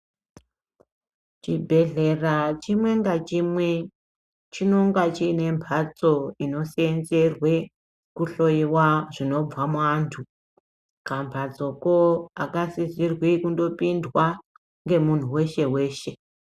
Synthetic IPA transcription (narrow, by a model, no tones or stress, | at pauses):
t͡ʃibʱe̞ɮe̞rat͡ʃimwe̞ŋɡat͡ʃimwe̞ | t͡ʃino̞ŋɡat͡ʃiːne̞mpʰat͡so̞ino̞sienze̞rwe̞ | kuɬo̞iwaʐino̞b͡vamantʰu | kambʱad͡zo̞koakasizirwikundo̞pindwa | ŋɡe̞mun̤uwe̞ʃe̞we̞ːʃe̞